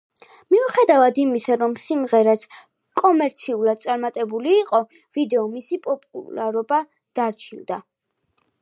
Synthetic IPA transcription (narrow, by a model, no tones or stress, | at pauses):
miuχɛd̪avad̪imisaɾɔmsimʁɛɾat̪sʰ | kʼɔmɛɾt̪sʰiulˠad̪̚t̪sʼaɾmat̪ʼɛbuliːqʼɔ | vid̪ɛɔmisipʼɔpʼṵlaɾɔba | d̪̥aɾt͡ʃʰild̪a